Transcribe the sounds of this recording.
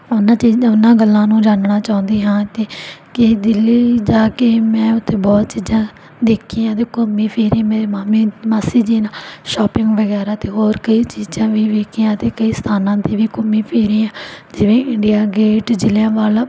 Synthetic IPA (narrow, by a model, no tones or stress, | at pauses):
ʊnãːt͡ʃiːd͡ʒãʊnãːɡəlːãːnũːd͡ʒaːnnaːt͡ʃaːʊ̃nd̪iːɦãːt̪eːkɪd̪ɪlːiːd͡ʒaːkeːmɛ̃ːʊt̪ʰːeːbɔːt̪t͡ʃiːd͡ʒãː | d̪eːkʰːiːãːt̪eːkomːĩːpʰeːɾiːãmeːɾeːmaːmĩːmasiːd͡ʒiːnaːʃɔːpɪ̃ŋɡʋəɡɛːɾaːt̪eːɦoːɾkəiːt͡ʃiːd͡ʒãːʋiːʋeːkʰiãːt̪eːkəiːst̪ʰaːnãːd̪iːʋiːkʊmːĩːpʰeːɾĩːãːd͡ʒɪʋẽːɪɳɖijaːɡeːʈd͡ʒɪljãːʋaːlaː